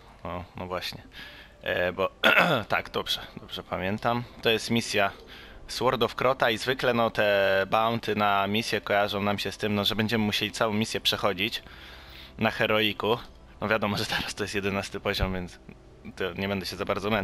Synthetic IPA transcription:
ɔnɔvwaɕɲɛ | bɔt̪a̰ɡd̪ɔbʐɛd̪̥ɔbʐɛpamʲjɛnt̪amt̪ɔjɛst̪mʲisʲjaswɔɾd̪ɔfkɾɔt̪aizvɘklɛnɔt̪ɛbawnt̪ɘnamʲisʲjɛkɔjaʐɔ̃w̃namɕɛst̪ɘmnɔʐɛbɛɲd͡ʑɛmɘmuɕelʲit̪sawɔ̃w̃mʲisʲjɛpʂɛxɔd͡ʑit͡ɕ | naxɛɾɔiku | nɔvʲjad̪ɔmɔʐɛt̪ʰɛɾast̪ɔjɛst̪jɛd̪ɛnast̪ɘpɔʑɔmvʲjɛnt̪s | d̪ɔɲɛbɛnd̪ɛɕɛzabaɾd̪zɔmɛn

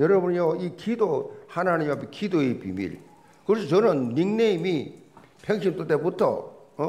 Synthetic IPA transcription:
jʌɾʌbunjoikidohanaɲimapʰekidoepḭmḭl | kɯɾʌsʰʌt͡ɕʌnɯnːiŋneimi | pʰeŋɕʰimt͈otebutʰʌ̰

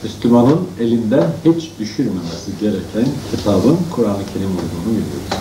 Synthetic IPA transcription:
myslymanɯne̞lʲind̪ɛhit͡ʃd̪yʃyɾmemesiɟe̞ɾɛcʰæncʰit̪ʰaːbɯnkʰuɾaːnˠɯcʰe̞ɾimulˠd̪uːnubilʲio̰d̪u̥

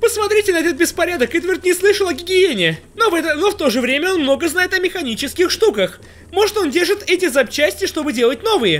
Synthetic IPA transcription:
pəsmɐt̪ɾʲitʲɪnɐt̪ot̪̚bʲɪspɐɾʲad̪əkɨt̪vʲɪrt̪nʲɪslˠɨʂəlˠɐɡʲɪɡʲɪenʲɪnovɛt̪ənoft̪o̞ʐɨvɾʲemʲəo̞nmno̞ɡəznajɪt̪ɐmʲɪxɐnʲit͡ɕɪskʲɪxʂt̪ukəx | mo̞ʐɨt̪o̞ndʲerʐɨt̪ɛtʲɪzɐp̚t͡ɕæsʲtʲɪɪʂt̪o̞bɨdʲe̞lˠət̚ʲno̞vɨjə

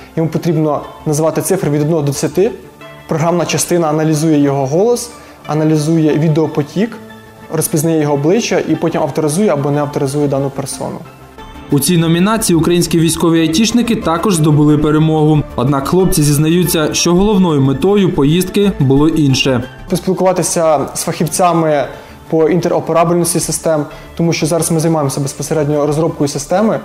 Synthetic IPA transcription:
jɔmupɔt̪ɾʲibnɔnɐzʋɑt̪ɪt̪sɪfɾʋʲid̪ɔd̪nɔɦɔd̪ɔd̪sʲɐt̪ɪ | pɾɔɦɾɑmnɐt͡ʃɐst̪ɪnɐːnɐlʲizujɛjɔɦɔɦɔlˠɔs | ɐnɐlʲizujɛʋʲid̪eɔpɔtʲik | rɔspʲiznɐjɛjɔɦɔːblˠɪt͡ʃːɐʔipɔtʲimɐwt̪ɔɾɪzujɛɐbɔnɛɐwt̪ɔɾɪzujɛd̪ɑnʊpersɔ̰nʊ | ut͡sʲijnɔmʲinɑt͡sʲijiʊkɾɐjinʲsʲkʲiʋʲijsʲkɔʋʲiɐjtʲit͡ʃnɪkɪt̪ɑkɔʒzd̪ɔbʊlˠɪpeɾemɔɦʊɔd̪nɑkxlˠɔp̚t͡sʲizʲiznɐjut͡sʲːɐʃt͡ʃɔɦɔlˠɔwnɔjʊmet̪ɔjʊpɔjizdt̪̚kɪbʊlˠɔʔinʃɛ | pɔsʲpʲilˠkʊʋɑt̪ɪsʲɐsfɐxʲiwt͡sʲɑmɪ | pɔʔint̪eɾʔɔpeɾɑbʲɪlʲnɔsʲtʲisɪst̪ɛm | t̪ɔmuʃt͡ʃɔzɑɾɐsmɪzɐjmɑjemɔsʲɐbespɔseɾɛdʲnʲɔɾɔzɾɔp̚kɔjisɪst̪ɛmɪ

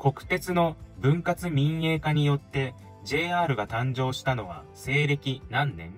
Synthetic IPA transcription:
ko̞kɯ̟̥t̪e̞t͡sɨno̞bɯ̟̃ŋkat͡sɨmʲĩɰe̞ːkaɲ̟ijo̞t̪ːe̞ | d͡ʑe̞ːaːɾɯ̟ɡat̪ãɲd͡ʑo̞ːɕi̥t̪ano̞βa̰ | se̞ːɾe̞kʲinãnːẽ̞̰ŋ

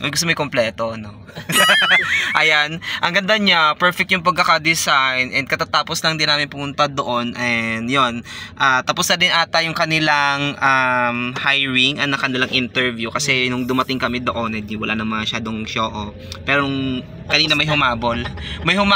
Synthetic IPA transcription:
mɐjɡʊst̪omɐjkomplɛːt̪o̞ʔɐno | ʔɐjanʔɐŋɡɐnd̪aɲapɛɹfɛk̚t̪jʊŋpɐɡ̚kːɐkad̪ɪsajnʔɛnd̪̚kɐt̪at̪aːposlɐŋd̪ɪnaːmɪnpʊmʊnt̪ad̪oʔo̞nʔɛnd̪jo̞nʔaːt̪ɐposnɐd̪ɪnʔaːt̪ɐjʊŋkɐnɪlaŋʔamhajɹɪŋʔɐnɐkɐnɪlaŋʔɪnt̪ɛɹvjukɐsɛnʊŋd̪ʊmɐt̪ɪŋkɐmɛd̪oʔonɐd̪iwɐla̰nɐmɐŋɐʃaːd̪oŋʃoːʔo | pɛːɾoŋ | kɐniːnɐmɐjɦʊmaːbolmɐjhʊma

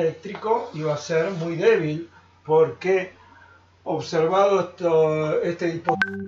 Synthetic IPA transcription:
ek̚t̪ɾikoiβaseɾmujðeβil | poɾke | oβseɾβaðoet̪est̪eðipo

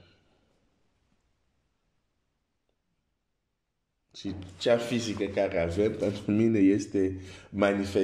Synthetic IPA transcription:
t͡ʃit͡ʃafizikəkaɾeavɛmpɛ̃nt̪ɾumĩnejest̪emanife

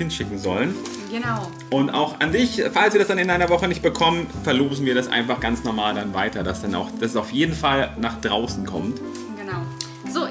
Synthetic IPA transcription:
ɪnʃɪkŋ̩zɔlən | ɡənaʊ | ʔʊntʔa̰ʊxa̰ndɪçfalsv̥iːɐdasd̥anɪnʔaɪnɐvɔχənɪçt̚b̥əkʰɔmənfɛɐloːzn̩viːɐɾasʔa̰ɪnfaχɡ̥a̰nt͡snɔɐmaːldanvaɪtɐdasd̥ana̰ʊxd̥assaʊfjeːdn̩falnaːχd̥ʁaʊsn̩kʰɔmt | ɡ̥ənaʊ | zoː

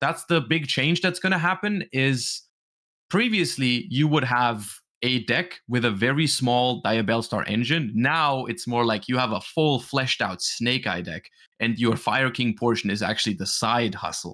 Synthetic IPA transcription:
ðætsðəbɪɡ̚t͡ʃʰẽɪ̃nd͡ʒðɨtsɡ̥ʌñɨɦæpɨ̃nɪz̥ | pʰɹ̥iviɨslijɨwəd̚əv | ɨdɛkwɨðɨvɛɹismɔlˠdaɪɨbɛlˠstɑ̰ɹʔɛ̰̃nd͡ʒɨ̃nːaʊɪtsmɔɹlaɪkʰjɨəvəfʊlˠflɛʃdaʊtsneɪka̰ɪdɛ̰k | ʔɨ̃njə˞faɪə˞kʰɪ̃ŋpʰɔɹʃɨ̃n̩ɨzæ̰k̚t͡ʃʉl̩ˠiðɨsaɪd̚hʌ̰sl̩ˠ

